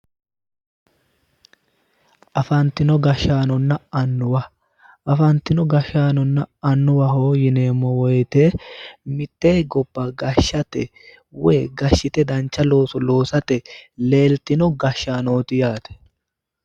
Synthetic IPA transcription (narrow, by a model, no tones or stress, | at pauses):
ʔɐfɐnt̪ːɪnɔɡɐʃːaːnɔnːɐɐnːʊwɐ | ʔɐfɐnt̪ɪnɔɡɐʃːaːnɔnːɐɐnːʊwɐɦoːjɪneːmːɔwɔjt̪emɪt̪ːeːɡɔb̥ːɐɡɐʃːɐt̪ɛ | wɛːɡɐʃːɪt̪ɛd̪ɐnt͡ʃːɐlo̞ːsɔlo̞ːsɐt̪ɛle̞ːlt̪ɪnɔɡɐʃːaːnoːt̪ɪjaːt̪ɛ̥